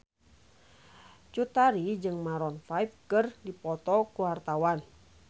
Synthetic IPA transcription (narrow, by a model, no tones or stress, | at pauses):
t͡ʃut̪aɾid͡ʒɨŋmaɾɔnfaip̚kɨrdipɔt̪ɔkuwart̪awan